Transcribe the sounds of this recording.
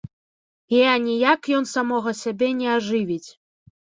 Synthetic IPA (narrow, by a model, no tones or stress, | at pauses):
ɛanʲijakjɔnsamɔɣɐsʲabʲɛnʲɛaʐɨvʲit͡sʲ